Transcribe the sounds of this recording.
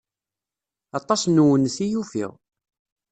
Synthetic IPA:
ɑt̪ˤɑsˤnuwənθijufḭʁ

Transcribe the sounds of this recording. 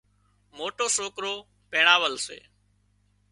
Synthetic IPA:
moːʈoːsoːkɾoː | peːɳaːʋəlsḛː

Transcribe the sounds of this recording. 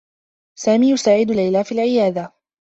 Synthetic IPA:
saːmiːjʊsaːʕɪd̪lajlaːfiːlʕɪjaːd̪a

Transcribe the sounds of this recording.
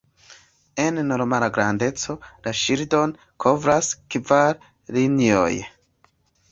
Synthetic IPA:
e̞nːo̞ɾmalaɡɾande̞t͡so̞laʃiɾdo̞n | kʰo̞vɾaskvaɾ | linio̰j

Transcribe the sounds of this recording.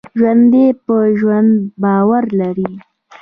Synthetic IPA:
ʒwand̪epəʒwand̪bɑwaɾlaɾi

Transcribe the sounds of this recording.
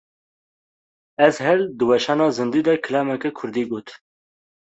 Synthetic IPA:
ɛzhɛld̪ɨwɛʃɑːnɑːzɨnd̪iːd̪ɛkʰɨlɑːmɛkɛkʰʊɾd̪iːɡoːt̪

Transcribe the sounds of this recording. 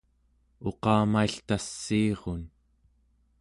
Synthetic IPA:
o̞qɑːmaiɬt̪asːiːʁon

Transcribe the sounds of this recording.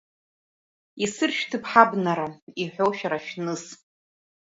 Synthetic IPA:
isɨrʃᶣtʰɨpʰħabnaɾaiħʷᶣowʃᶣaɾaʃnɨs

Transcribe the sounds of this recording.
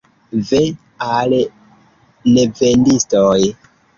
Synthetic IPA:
ve | al | nevendistoj

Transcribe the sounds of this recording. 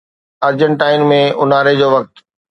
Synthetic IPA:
əɾd͡ʑəɳʈaːɪnmẽʊnaːɾed͡ʑoːʋɐk̚t̪

